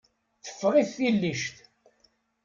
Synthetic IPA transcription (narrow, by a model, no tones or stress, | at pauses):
θə̥fːʁiθːilːiʃt̪